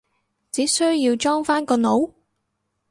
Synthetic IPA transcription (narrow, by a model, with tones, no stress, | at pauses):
t͡siː˨˥sɵ˥ɥji˧wt͡ʃɔː˥ŋfaː˥nkɔː˧no˨˥w